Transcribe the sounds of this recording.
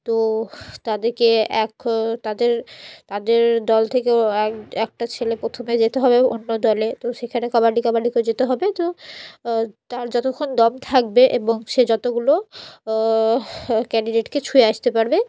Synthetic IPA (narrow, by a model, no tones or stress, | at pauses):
t̪ot̪ad̪eɾkeɛkt̪ad̪eɾt̪ad̪eɾd̪ɔlt̪ʰekeɛɛk̚ʈat͡ɕʰelepɾot̪ʰomed͡ʑet̪eɦɔbeonːod̪ɔlet̪oʃekʰanekabaɖikabaɖiked͡ʑet̪eɦɔbet̪o | t̪aɾd͡ʑɔt̪okʰːond̪ɔmt̪ʰak̚beʔeboŋʃed͡ʑɔt̪oɡulo | kɛɳɖiɖeʈket͡ɕʰueaʃt̪epaɾbe